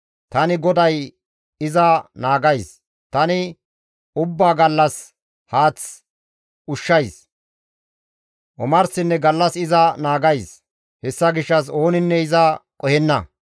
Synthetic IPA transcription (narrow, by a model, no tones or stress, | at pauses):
t̪ɐnɪɡɔd̪ɐj | ɪzɐnaːɡɐjs | t̪ɐnɪ | ʊbːaːɡɐlːɐs | haːt͡s | ʊʃːɐjs | ʔɔmɐɾsɪnːɛɡɐlːɐsɪzɐnaːɡɐjs | hɛsːɐɡɪʃːɐs̬o̞ːnɪnːɛɪzɐkʼɔhɛnːɐ̰